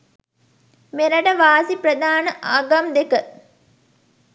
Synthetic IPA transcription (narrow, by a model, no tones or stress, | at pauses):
meɾɐʈəʋaːsipɾɐd̪aːnəʔaːɡɐmd̪ekə